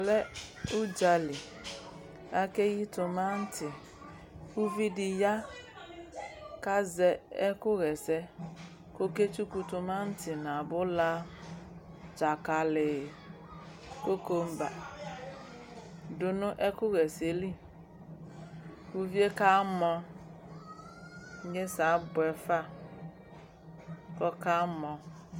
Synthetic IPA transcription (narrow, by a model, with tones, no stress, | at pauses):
lɛ˦u˦d͡ʒa˨li˨ | a˦ke˦ji˦tʊ˨ma˦n̩˦tɪ˨ | ku˦vi˦dɪ˨ja˦ | ka˦zɛ˨ɛ˦kʊ˦ɣɛ˨sɛ˦ | ko˦ke˦t͡ʃu˦ku˨tʊ˨ma˦n̩˦tɪ˨na˨bʊ˦la˦ | d͡ʒa˨ka˨lɪ˨ | ko˦ko˦m̩˦ba̰˨ | dʊ˦nʊ˦ʔɛ˦kʊ˦ɣɛ˨se˨˦li˦˨ | ku˦vje˦ka˦mɔ˦ | ɲe˦sa˨˦bʊ˨ɛ˨fa˦˨ | kɔ˦ka˦mɔ˨